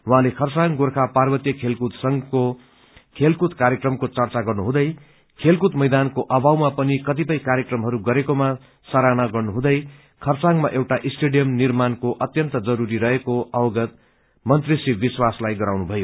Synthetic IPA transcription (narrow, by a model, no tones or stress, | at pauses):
wʌɦãlekʰʌrsaŋɡorkʰaparbʌt̪jʌkʰelkut̪sʌŋko | kʰelkut̪kaɾjekrʌmkot͡sʌrt͡saɡʌrnuɦũd̪ʌj | kʰelkut̪mʌjd̪ankoʔʌbʱawmapʌnikʌt̪ipʌjkaɾjekrʌmɦʌɾuɡʌɾekoma | sʌɾanaɡʌrnuɦũd̪ʌj | kʰʌrt͡saŋmaʔewʈaʔisʈeɽijʌmnirmankoʔʌt̪jʌnt̪ʌd͡zʌɾuɾiɾʌɦekoʌwɡʌt̪̚ | mʌnt̪risibiswaslajɡʌɾawnubʱʌjo